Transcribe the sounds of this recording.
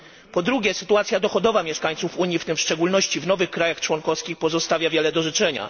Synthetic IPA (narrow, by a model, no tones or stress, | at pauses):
pɔd̪ɾuɡʲɛsɘt̪uat̪sʲjad̪ɔxɔd̪ɔvamʲjɛʂkaɲt̪sufuɲift̪ɘmfʂt͡ʂɛɡulnɔɕt͡ɕivnɔvɘxkɾajaxt͡ʂwɔŋkɔfskʲixpɔzɔst̪avʲjavʲjɛlɛd̪ɔʐɘt͡ʂɛɲa̰